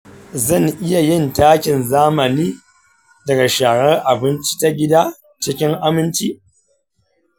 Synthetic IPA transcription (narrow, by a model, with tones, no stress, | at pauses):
zɐ˦˨ŋʔɪ˦ja˨jɪ˦ntaː˦kʲɪ˨nzaː˦mɐ˨niː˦ | dɐ˨ɡa˨ʃaː˨ɾɐ˦rʔa˨bɪ˦nt͡ʃi̥˦ta˦ɡʲɪ˦daː˦ | t͡ʃɪ˦kʲɪ˦ŋʔa˦mɪ˦nt͡ʃi˦ʔ